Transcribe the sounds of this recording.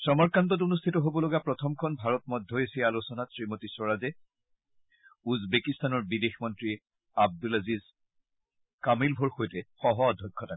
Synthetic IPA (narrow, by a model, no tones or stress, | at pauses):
sɔmɔɹkantɔt̬onustʰitɔɦobɔlɔɡapɹɔtʰɔmkʰɔnbʱaɹɔt̚mɔdʱːɔesialosɔnasɹimotisɔɹazɛ | uzbekistanɔɹbidexmɔntɹi | ab̚dulaziz | kamilbʱɔɹxojtɛxɔɦɔadʱɔjkʰːɔta